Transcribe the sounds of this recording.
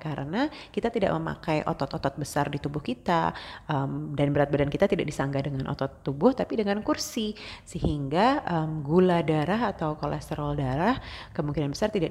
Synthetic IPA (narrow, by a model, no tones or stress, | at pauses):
kaɾʔə̰nakit̪at̪ida̰ʔ̚məma̰kajʔo̰t̪ɔt̪ɔt̪ɔt̪̚bəsardit̪ubʊhkit̪aəmdanbəɾat̪̚badankit̪at̪idak̚disaŋɡadəŋanʔɔ̰t̪ɔt̪ːubʊht̪apidəŋankursisəɦiŋɡaəmɡuladaɾaɦat̪awkolɛ̰st̪əɾaldaɾahkəmuŋkinanbəsart̪idaʔ